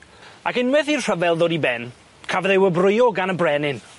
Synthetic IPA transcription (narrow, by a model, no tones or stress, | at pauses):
akɪnwɛðirr̥əvɛlˠðoːdibɛn | kʰavðewəbrʊjɔɡanəbrɛnɪn